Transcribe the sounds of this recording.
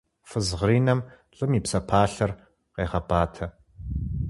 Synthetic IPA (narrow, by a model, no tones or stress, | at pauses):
fɨzʁriːnɐmɬʼɨmiːpsɐpʰaːɬɐr | qeːʁɐbaːtʰɐ